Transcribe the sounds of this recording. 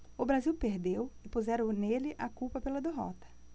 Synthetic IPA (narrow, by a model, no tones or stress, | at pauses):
ʊbɾaziwpeɾd̪ewɪpuzɛɾɐ̃nelɪʔakuwpɐpelɐd̪eɦɔ̰t̪ɐ̥